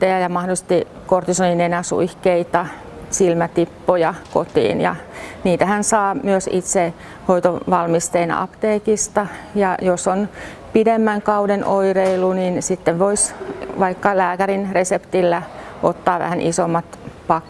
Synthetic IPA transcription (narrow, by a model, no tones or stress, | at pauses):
ejɑjɑmɑhdolise̥st̪i | kort̪isoninenæsṵihkeit̪ɑ | silmæt̪ipːojɑko̰t̪ḭːnjɑ̰niːt̪æhænsɑːmyøsit̪se | hoit̪oʋɑlmist̪einɑ̰ɑ̰pt̪eːkist̪ɑjɑjoson | pidemːæŋkɑudenʔoireilːuninsit̪ːeʋʋoisʋɑikːɑlæːkærinresept̪ilːæ | ʔot̪ːɑːʋæ̰hænʔisomːɑt̪pɑkː